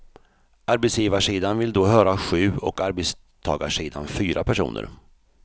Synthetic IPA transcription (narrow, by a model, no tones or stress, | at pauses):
aɾbɛt̪sjiːvaʂiːd̪anvɪld̪oːɦœːɾaɧʉ̟ːɔ̰kaɾbɛs | t̪ʰɑ̰ːɡaʂiːd̪a̰nfyːɾʔapʰæʂṵːnə̰ɾ